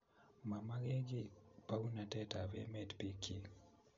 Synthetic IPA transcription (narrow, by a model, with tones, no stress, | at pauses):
ma˨ma˦ɡe˦ɡi˦pa˦u˦na˨tɛ˦ta˨vɛ̰˦mɛ˦tpi˦kʰi˦